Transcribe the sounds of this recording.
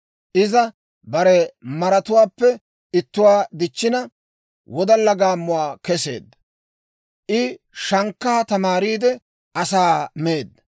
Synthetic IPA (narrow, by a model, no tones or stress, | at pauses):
ʔɪzɐ | bɐɾɛmɐɾɐt̪ʊwaːpːɛ | ɪt̪ːʊwaːd̪ɪt͡ʃːɪnɐ | wɔd̪ɐlːɐɡaːmːʊwaːkɛse̞̰ːd̪ːɐ | ʔɪ | ʃɐŋkːaːt̪ɐmaːɾiːd̪ɛ | ʔɐsaːmeːd̪ɐ